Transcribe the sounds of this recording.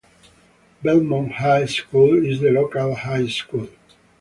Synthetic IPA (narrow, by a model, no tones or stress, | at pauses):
bɛlmɔ̃nhajskulizðəlokalhajskul